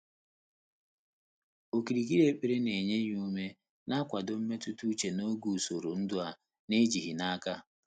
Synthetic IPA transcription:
o˨ki˨ɾi˨ɡi˦ɾe˦k͡pe˨ɾe˦ne˨ɲe˦ɲ˦u˦me˦ | na˦kʷa˨dʊ˨m̩˦me˦tu˦tu˦t͡ʃe˨no˦ɡu˨so˨ɾo˨n̩˦dʊ˦a˨ | ne˦d͡ʒi˨ɦi˨na˦ka˦

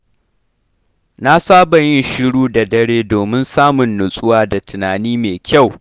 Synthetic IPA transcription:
na˦saː˦bɐ˨jɪ˦nʃɪ˦ɽuː˦da˨dɐ˦ɽeː˦doː˨mɪ˦nsaː˦mʊ˨nːʊ˨sʼʊ˦waː˦da˨tʰʊ˨naː˨niː˦meː˨kʲa˦˨w

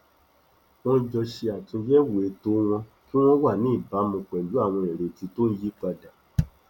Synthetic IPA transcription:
w̃ɔ̃˦d͡ʒɔ˧ʃe˧a˨tũ˧d͡ʒɛ˦wo˨e˨˦to˦w̃ɔ̃˧ | ki˦w̃ɔ̃˦wa˦˨nĩ˨˦˨ba˨˦mũ˧k͡pɛ˨d͡ʒu˨˦a˦˨w̃ɔ̃˧e˨ɾe˨ti˧to˦n̩˦ji˦k͡pa˧da˨

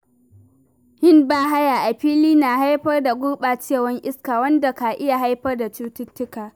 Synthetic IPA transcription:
hɪ˦mbaː˦ɦa˦jaː˨ʔa˨ɸiː˦liː˦naː˨ɦa˦jɸɐ˦rda˨ɡʷʊ˦rɓa˨t͡ʃeː˦˨wɐ˦ŋʔɪ˦skaː˨wɐ˦nda˨ka˨ʔɪ˦ja˨ɦa˦jɸɐ˦rda˨t͡ʃuː˦tʊ˦tːʊ˦kaː˨

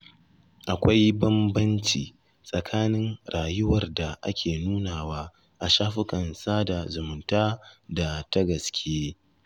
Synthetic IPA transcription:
ʔa˨kʷa˦jbɐ˦mbɐ˦nt͡ʃiː˨ | sʼɐ˨kʰaː˦nɪ˦ŋɽaː˨jʊ˦wɐ˨rda˨ʔa̰˦kʲʰeː˨nuː˦naː˨waː˦ | ʔa˨ʃaː˦ɸɪ˦kʼɐ˨nsaː˦da˨zʊ˨mʊ˨˦ntaː˦da˨ta˦ɡɐ˨skʲʰeː˦

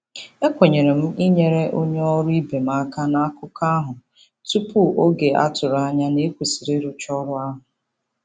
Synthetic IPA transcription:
e˦kʷe˨ɲe˨ɾe˨m̩˦i˦ɲe˨ɾe˦ʔo˦ɲe˦ɔ˦ɾʊ˦i˦be˨m̩˦a˦ka˦na˦kʊ˦ka˦a˦ɦʊ˨ | tu˦pʊ˦o˦ɡe˨ʔa̰˦tʊ˨ɾa˦ɲa˦ne˦kʷe˨si˨ɾe˦ɾʊ˨t͡ʃɔ˦ɾʊ˦a˦ɦʊ˨

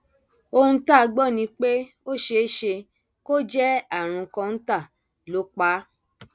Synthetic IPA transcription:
o˧hũ˧ta˦˨˧ɡ͡bɔ˦˨nĩ˧˦k͡pe˦ | o˦ʃe˧˦ʃe˧ | ko˦d͡ʒɛ˦a˦˨ɾ̃ũ˨˧kã˧n̩˦ta˦˨ | lo˨˦k͡pa˦

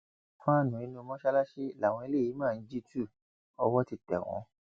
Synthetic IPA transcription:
fã˦a˦˨nũ˨i˨˧˦nũ˦o˧mɔ̃˦ʃa˦la˦ʃe˦˨la˨w̃ɔ̃˧e˧le˦˨i˨˦mãː˦˨n̩˦d͡ʒi˦tu˦˨ | ɔ˧wɔ˦ti˧tɛ̰˨w̃ɔ̰̃˨˦

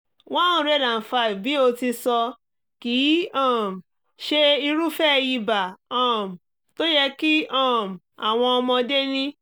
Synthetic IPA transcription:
wã˦ũ˧ɾɛ˦˨dã˨fa˧i˨bi˨˦o˧ti˧sɔ˧ | ki˨˦ɔ̃˦˨m˨ | ʃe˦i˧ɾu˦fɛ˦˧ji˧ba˨ɔ̃˦˨m̩˨ | to˦jɛ˦ki˦ɔ̃˦˨m˨a˨w̃ɔ̃˧ɔ˧mɔ̃˧de˦nĩ˦

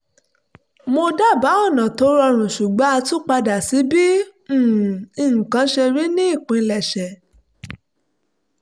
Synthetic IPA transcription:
mo˧da˦˨ba˨˦ɔ˦˨nã˨to˨˦ɾɔ˧ɾ̃ũ˨ʃu˨ɡ͡ba˨˦a˧tũ˦k͡pa˧da˨si˨˦bĩ˦˨ | ĩ˨ŋ̩˨kã˨˦ʃɛ˧ɾi˦nĩ˦i˦˨k͡pĩ˨˧lɛ˨ʃɛ˨

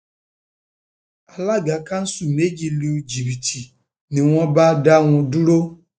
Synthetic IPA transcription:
a˨la˦ɡa˨ka˦n̩˦su˨ne˦d͡ʒi˨li˦u˦d͡ʒi˨bi˨tʰi˨ | nɪ̃˨ŋʷɔ˦ba˦da˦ŋʷʊ˨du˦ɾo˦

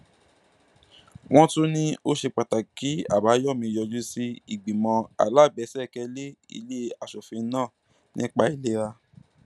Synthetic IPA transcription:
w̃ɔ̃˦tũ˦nĩ˦o˦ʃe˧k͡pa˨ta˨ki˨˦a̰˦˨ba˨˦jɔ˦˨mĩ˧˨jɔ˧d͡ʒu˦si˧˦i˨ɡ͡bĩ˨mɔ̃˧a̰˨la˦˨bɛ˨˧˦sɛ˦˨kɛ˧le˦ḭ˧le˦a˨ʃɔ˨fĩ˧˦nãː˦˨ | nĩ˦k͡pa˧˦i˦˧le˦ɾa˧

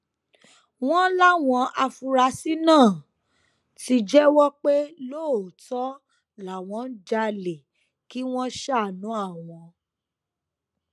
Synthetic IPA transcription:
w̃ɔ̃˦la˦w̃ɔ̃˧a˧fu˧ɾa˧si˦nãː˦˨ | ti˧d͡ʒɛ˦wɔ˦k͡pe˦lo˦˨tɔ˦ | la˨w̃ɔ̃˧˦n̩˦d͡ʒa˧le˨ | ki˦w̃ɔ̃˦ʃa˦˨nũ˨˦a˦˨w̃ɔ̃˨˧

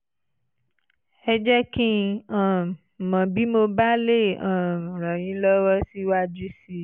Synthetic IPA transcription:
ɛ˧d͡ʒɛ˦kĩ˦ã˨ | mã˨bi˨˦mo˧ba˦le˦˨ã˨ɾɔ̃˨j̃ĩ˨˦lɔ˦wɔ˦si˦wa˦d͡ʒu˦si˦

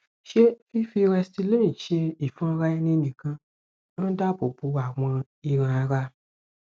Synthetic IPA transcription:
ʃe˦fi˦fi˧ɾɛ˧sti˧le˦ĩ˨ʃe˧i˨fã˦ɾa˧i˧nĩ˧nĩ˨kã˧ | n̩˦da˦˨bo˨bu˨˧a˨w̃ɔ̃˧ | i˧ɾ̃ã˧a˧ɾa˧

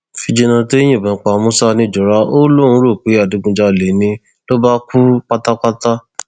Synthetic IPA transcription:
fi˧d͡ʒe˧nã˧to˦i˦j̃ĩ˦˨bã˨˦k͡pa˨˦mũ˦sa˦nĩ˧˨d͡ʒɔ˨ɾa˦o˦lo˦ũ˧˦ɾo˦˨k͡pi˨˦a˦˨du˨˦ɡũ˧d͡ʒa˧˨le˨nĩ˧ | lo˦ba˦kʰu˦k͡pa˦ta˦k͡pa˦ta˦

